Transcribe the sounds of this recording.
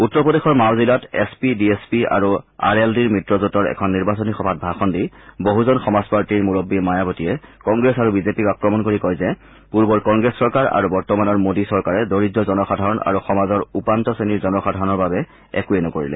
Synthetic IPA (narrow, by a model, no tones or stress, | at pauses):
utːɔɹpɔdexɔɹmawzilatḛspidiespia̰ɹua̰ɹeldiɹmɹitɹɔzutɔɹɛ̰kʰɔnːiɹbasɔnixɔbʱat̚bʱaxɔndiboɦuzɔnxɔmazpaɹtiɹmuɹobːimajabɔtijɛkɔŋɡɹesaɹubizepikakɹɔmɔnkoɹikɔjzɛ | puɹbɔɹkɔŋɡɹesːɔɹkaɹa̰ɹubɔɹtɔmanɔɹmodisɔɹkaɹɛdoɹidɔzɔnɔxadʱaɹɔna̰ɹuxɔmazɔɹupantɔseniɹzɔnɔxadʱaɹɔnɔɹbabɛ | ɛ̰kuɛnɔkoɹḭlɛ̰